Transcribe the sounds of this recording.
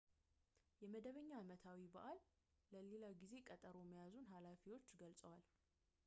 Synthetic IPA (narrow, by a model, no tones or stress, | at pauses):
jɛməd̪əβəɲːaːmət̪ʰawibəʔalː | əlelaɡize̞kʼət̪ʼəɾo̞məjazunɦalafiwo̞t͡ʃːɡəlsʼəwal